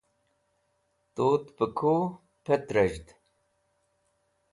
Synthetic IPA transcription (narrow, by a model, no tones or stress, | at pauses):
t̪oːt̪pəkʰoː | pʰet̪ɾɐʑd̪